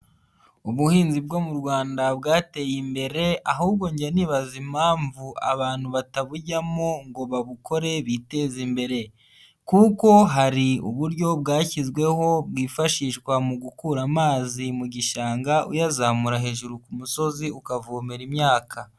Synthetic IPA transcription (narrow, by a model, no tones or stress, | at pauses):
uβuhiːnzib̚ɡomuɾɡwaːndabɡaːte̞jimbe̞ɾe̞aɦuːb̚ɡo̞ɲɟaniβazimaːɱvua̰βaːn̥huβataβuɟamoŋɡo̞βaβukʰo̞ɾe̞βite̞zimbe̞ɾe̞ | kuko̞ɦaɾiṵβuɾɟo̞bɡaːcizɡwe̞ho̞b̚wiːfaʃiːʃkwamuɡukuɾamaːzimuɟiʃaːŋɡaʔṵjazamuɾaɦe̞ːʒuɾukumuso̞ziukavuːmeɾimɲaːkʰa